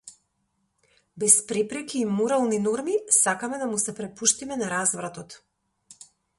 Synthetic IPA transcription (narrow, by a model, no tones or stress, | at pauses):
bɛspɾɛpɾɛkiːmɔɾalˠninɔɾmisakamɛd̪amusɛpɾɛpuʃt̪imɛnaɾazvɾat̪ɔt̪